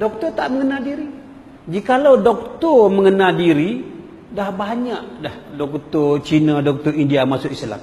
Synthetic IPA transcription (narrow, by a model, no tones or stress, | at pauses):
dɔk̚t̪ɔrt̪aʔməŋənaldiɾi | d͡ʒikalawdɔk̚t̪ɔrməŋənaldiɾi | dahbaɲaʔdahdɔk̚t̪ɔrt͡ʃinadɔk̚t̪ɔindiamasʊʔisla̰m